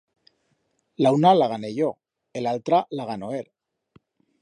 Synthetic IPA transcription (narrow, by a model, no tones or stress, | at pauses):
launalaɣ̞ane̞ʝo | elalt̪ɾalaɣ̞ano̞eɾ